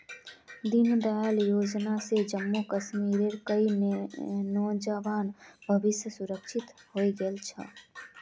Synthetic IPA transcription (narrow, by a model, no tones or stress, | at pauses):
d̪inɖaːljod͡ʒnased͡ʒəmːokəsmiɾeɾkəi | nɔːd͡ʒəʋaːnbʱəbɪsjəsuɾəkʃʰit̪hoiɡəlt͡ʃʰə̰